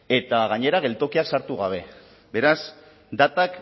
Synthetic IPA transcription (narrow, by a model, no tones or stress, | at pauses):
e̞t̪aɣaɲe̞ɾaɣ̞e̞lt̪o̞kiaksaɾt̪uɣ̞aβ̞e̞ | be̞ɾas | d̪at̪ak